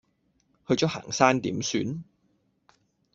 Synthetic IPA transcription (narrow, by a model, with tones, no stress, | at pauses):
hɵ˧t͡ʃɔː˨˥ha̰ː˨˩ŋsaː˥nt̪ḭː˨˥msyː˨˧˥n